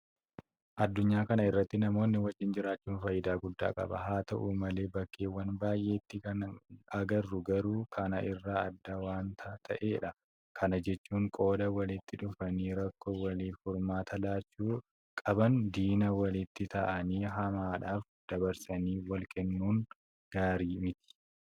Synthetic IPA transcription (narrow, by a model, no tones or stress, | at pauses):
ʔɐd̪ːʊɲːaːkɐnɐɪrːɐt̪ːɪnɐmo̞ːnːɪwɐd͡ʒːɪnd͡ʒɪɾaːt͡ʃːuːnfɐjːɪd̪aːɡʊd̪ːa̰ːkʼɐ̰bɐ̰ɦaːt̪ɐʔuːmɐle̞ːbɐkːeːwɐnbaːjʔe̞ːt̪ːɪkɐnɐɡɐrːʊɡɐɾuːkʰɐnɐʔɪrːaːɐd̪ːɐwaːnt̪ʰɐt̪ʰɐʔeːᶑɐ | kʰɐnɐd͡ʒɛt͡ʃːuːŋkʼo̞ːd̪ɐwɐlɪt̪ːɪᶑʊfɐniːɾɐkːowɐliːfʊɾmaːt̪ɐlaːt͡ʃːuː | kʼɐbɐnd̪iːnɐwɐlɪt̪ːɪt̪ʰɐʔɐniːɦɐmaːᶑaːf | d̪̥ɐbɐɾsɐniːwɐlkɛnːuːŋ | ɡ̥aːɾiːmɪt̪ɪ̥